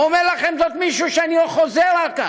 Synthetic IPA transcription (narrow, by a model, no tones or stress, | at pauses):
omeʁlaχe̞mzo̞t̪miʃuʃeaniloχo̞zeʁaka